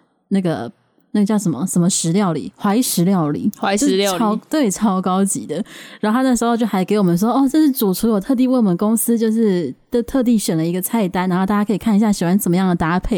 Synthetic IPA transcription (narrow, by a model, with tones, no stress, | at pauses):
na˥˩ɡə̰˩ | na˥˩ɡə˩t͡ɕjɑ˥˩ʊʂə˨˩mə̰˦ʂə˧˥nmə˧ʂɻ̩˧˥ljɑ˥˩ʊlḭ˨˦xwa˧˥i˧˥ʂɻ̩˧˥ljɑ˥˩ʊlḭ˨˩˦o˥ʊt̪we˥˩ɪʈ͡ʂʰɑ˥ʊkɑ˥ʊt͡ɕḭ˨˥d̪ə˦ɻa˨˧˥o˥˧˥n˥˩ʂɻ̩˧˥˧t͡ɕjo˥˩xa˧˥ɪke˧˥ɪwɔ˨˩mə˦nʂ̬wɔ˥ɔ˥˧ʈ͡ʂɤ˥˧ʂɻ̩˥˩t͡su˨˩t͡sʰu˧˥jo˨˩t̪ʰɤ˥˧t̪̬i˥˧we˥˩wɔ˨mə˦nkʊ˥ŋsɹ̩˥t͡ɕjo˥˧ʊʂɻ̩˥˧t̪t̪ʰɤ˥˧t̪̬i˥˩ɕɥɛ˨˩nlə˦i˧˥ɡə˧t͡sʰa˥˩ɪt̪a˥nɻa˧˥xo˥˧a˥˩ja˥kʰɤ˧˥i˨˩kʰa˥˩ni˧ɕja˥˩ɕi˨˩wa˧˥nʈ͡ʂə˨˩mə˦jɑ˥˩ŋd̪ə˩t̪a˥pʰe˥˩ɪ